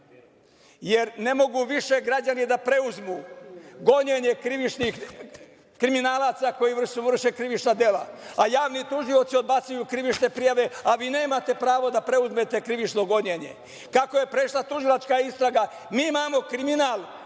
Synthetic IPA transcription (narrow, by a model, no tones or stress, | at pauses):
je̞ɾne̞mo̞ɡuʋiʃe̞ɡɾad͡ʑanid̪apɾe̞uzmuɡo̞ɲeɲe̞kɾiʋit͡ʃnix | kɾiminaːlaːt̪sako̞jiʋr̩ʃuʋr̩ʃekɾiʋit͡ʃnad̪e̞laajaːʋnit̪uʒio̞t̪siod̪bat̪sujukɾiʋit͡ʃne̞pɾijaʋe̞aʋiːne̞ːmat̪e̞pɾaːʋo̞d̪apɾe̞uzme̞t̪e̞kɾiʋit͡ʃno̞ɡo̞ɲeɲe̞̰ | kako̞je̞pɾe̞ʃlat̪uʒilˠat͡ʃkaist̪ɾaɡa | miːmaːmo̞kɾiminaːlˠ